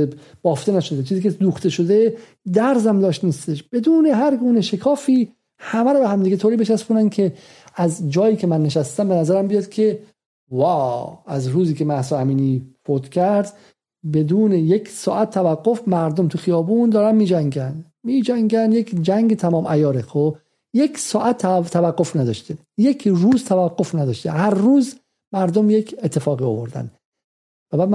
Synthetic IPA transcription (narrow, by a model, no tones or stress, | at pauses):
ebb̥ɒːft̪enæʃod̪et͡ʃʰiːziːcʰed̪uːxt̪e̞ʃo̞d̪e̞ | d̪æɾzæmd̪ɒːʃt̪niːst̪eʃb̥e̞d̪uːneɦæɾɡuːneʃekʰɒːfiː | hæmæɾɔːbehæmd̪iːɡet̪ʰoːɾiːbeʃæsponænkʰe̞ | æzd͡ʒɒːjiːcʰemænːeʃæst̪æmbenæzæɾæmbijɒd̪kʰe | væːæzɾuːziːkʰe̞mæhsɒæmiːnifot̪cʰæɾd̪ | be̞d̪uːnejeksɒ̰ːʔæt̪ʰːævæɡːofmæɾd̪omt̪ʰuxijɒːbuːnd̪ɒːɾænmiːd͡ʒæŋɡænd̪ | miːd͡ʒæŋɡænd̪jekd͡ʒæŋɡet̪ʰæmɒːmʔæjɒːɾexo | jeksɒːʔæt̪ʰːt̪ʰːævæɡːo̞fnæd̪ɒʃt̪e | jekʰruːzt̪ʰævæɡːofnæd̪ɒʃt̪ehæɾːuːz | mæɾd̪omjekʰet̪ʰːe̞fɒːɣiovoɾd̪æ̰n | væbæːd̪